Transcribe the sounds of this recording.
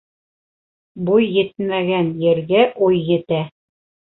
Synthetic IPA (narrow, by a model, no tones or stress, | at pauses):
bujːɘ̆t̪mæɡænjɘ̆ɾɡæʔujːɘ̆t̪æ